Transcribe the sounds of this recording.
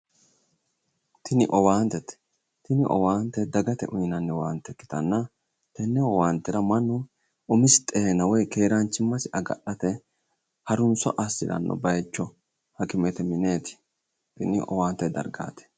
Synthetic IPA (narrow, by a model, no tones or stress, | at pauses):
t̪ʰɪnɪʔɔwaːnt̪ɛt̪ɛ̥ | t̪ɪnɪʔɔ̰waːnt̪ɛd̪ɐɡɐt̪ɛ̰ʔʊjnɐnːɛwaːnt̪ːɛkːɪ̥t̪ɐnːɐ | t̪ɛnːɛwɔwaːnt̪ɪɾɐmɐnːɔ | ʔʊmɪst̪ʼeːnɐwɔjke̞ːɾant͡ʃːɪmːɐsɪʔɐɡɐ̰ɗɐt̪ɛ | hɐɾʊnsɔ̰ʔɐsːɪɾɐ̰nːɔ̰bɐjt͡ʃːɔ | hɐkɪmɛt̪ɛmɪne̞ːt̪ɪ̥ | t̪ɪnɪʔɔ̰waːnt̪ːɛd̪ɐ̰ɾɡa̰ːt̪ɛ̥